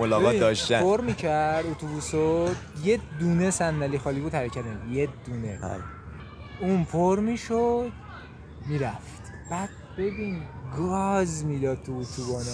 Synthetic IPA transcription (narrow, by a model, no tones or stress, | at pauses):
olɒːɣɒːtid̪ɒʃt̪æfoɾmiːcʰæɾɾd̪ot̪ʰubusod̪jed̪uːnesænːæliːxɒːliːbuːd̪hæɾecʰæt̪̚imid̪jed̪̥uːnḛa̰ | uːnfoɾmiːʃod̪̥ | miːɾæft̪ | b̥æd̪̥̚b̥e̞binɡɒzmiːd̪ɒd̪̥̚t̪ʰuːt̪ʰubɒːne